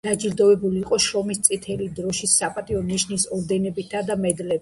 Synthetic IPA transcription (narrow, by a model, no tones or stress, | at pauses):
d̪̥ad͡ʒiɾd̪ɔvɛbuliːqʼɔʃɾɔmist̪sʼit̪ʰɛlid̪ɾɔʃisːapʼat̪ʼiɔniʃnisɔɾd̪ɛnɛbit̪ʰːad̪amɛd̪lɛ